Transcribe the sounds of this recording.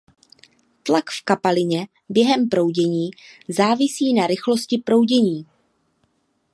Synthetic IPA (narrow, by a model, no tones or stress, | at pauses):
t̪lakfkapalɪɲɛ | bjɛɦɛmpɾo̞wɟɛɲiːzaːvɪsiːnaɾɪxlo̞scɪpɾo̞wɟɛɲiː